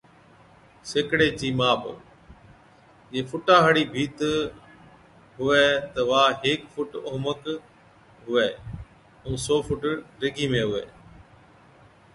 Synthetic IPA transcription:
seːkɽeːt͡ʃiːmaːb | d͡ʒeːfʰʊʈãːɦəɽiːbʱiːt̪ | ɦʊʋɛːt̪əʋaːɦeːkfʰʊʈoːmək | ɦʊʋeː | ũːsoːfʊʈɾɪɡʱiːmẽːɦʊʋḛː

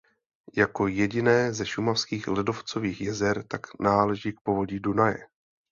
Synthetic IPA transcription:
jako̞jɛɟɪnɛːzɛʃumafskiːxlɪdo̞ft͡so̞viːxjɛzɛɾt̪aknaːlɛʒik̚po̞vo̞ɟiːdunajɛ̰

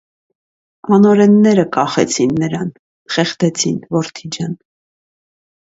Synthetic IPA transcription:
ɑnɔɾɛnːɛɾəkɑχɛ̰t͡sʰinːəɾɑn | χɛχt̪ɛt͡sʰinvɔɾt̪ʰid͡ʒɑn

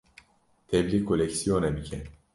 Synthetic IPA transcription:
t̪ʰɛblʲikʰːolʲecsijonɛbicʰɛn

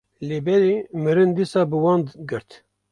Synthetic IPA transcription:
leːbɛɾeːmɨɾɨnd̪isɑːbɨwɑːnd̪ɡɨɾt̪

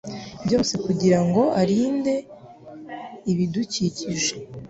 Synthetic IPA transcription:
bjo̞ːse̞kuɟiɾaŋɡo̞aɾiːnde̞ | iβiduciciʒe

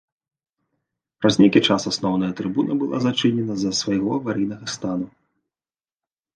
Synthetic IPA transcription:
pɾɐzʲnʲekʲit͡ʂasasnɔwnɐjɐt̪ɾɨbunɐbɨlˠa̰zat͡ʂɨnʲɛnɐzɐsvajɣɔɐvaɾijnɐɣɐst̪anu

